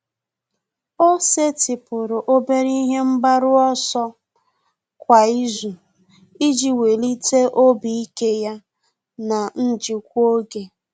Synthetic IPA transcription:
o˦se˦tɪ˨pʊ˨ɾʊ˨ʔo˦be˦ɾi˦ɦe˦m̩˦ba˦ɾʊ˦ɔ˦sɔ˦ | kʷa˨i˦zu˨ | i˦d͡ʒi˨we˨li˦te˦ʔo˦bi˨i˦ke˦ja˦ | na˨n̩˦d͡ʒi˨kʷu˦o˦ɡe˨

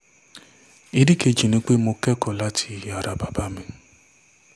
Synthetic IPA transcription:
i˦ɾi˦ke˧d͡ʒi˨nĩ˧˦k͡pe˦mo˧kɛ˦kɔ˨la˦tʰi̥˧˨a˨ɾa˨ba˨ba˦mĩ˧

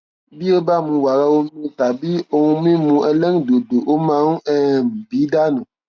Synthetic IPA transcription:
bi˦e˦ba˦˨mũ˧wa˨ɾa˧wo˦mĩ˦˨t̪a˨bi˦o˧ŋũ˧mĩ˦mũ˧ʔɛ˧lɛ˦ŋ˨do˨do˨ʔo˦mã˦wũ˦ʔɛ˦˨m̩˨bi˨˦da˦nũ˨

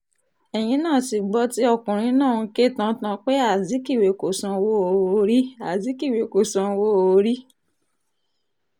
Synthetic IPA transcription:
ɛ˨j̃ĩ˧˦nãː˦˨ti˨ɡ͡bɔ˧˦ti˦ɔ˦˨kũ˨ɾ̃ĩ˧˦nãː˦˨ũ˧ke˦˨tã˧˦tã˧k͡pe˦a˦˨zi˨˦ki˦˨we˨ko˨sã˨˧wo˦o˨˦o˨˧˦ɾi˦a˨zi˨˦ki˦˨we˨ko˨sã˧wo˦o˧˦ɾi˦

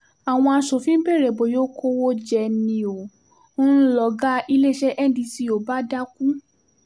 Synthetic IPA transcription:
a˨w̃ɔ̃˧a˧ʃo˨fĩ˦be˦˨ɾe˨bo˨jo˦kʰo˦wo˦d͡ʒɛ˧nĩ˧o˨˦ | ũ˦lɔ˨ɡa˦i˧le˦ʃɛ˦ʔɛ˦dĩ˧si˧˦o˨ba˦da˦kũ˦

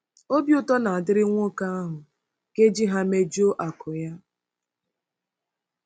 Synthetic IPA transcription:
o˦bjʊ˦tɔ˦na˨a˨dɪ˦ɾɪ˦ŋʷʊ˦ka˦a˦ɦʊ˨ | ke˦d͡ʒi˦ɦa˦me˦d͡ʒo˦ʔa˨kʊ˨ja˦

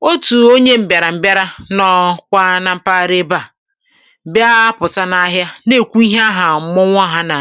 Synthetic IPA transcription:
o˦tu˨o˦ɲe˦m̩˨bja˨ɾa˨m̩˨bja˦ɾa˦nɔ˦kʷa˦na˨m̩˦pa˦˨ɾe˦ba˦˨ | bja˦pʊ˨ta˦na˦ɦja˦ne˦˨kʷu˦i˦ɦe˦a˦ɦa˨m̩˦mʊ˦ŋʷ˦a˦ɦa˦na˨

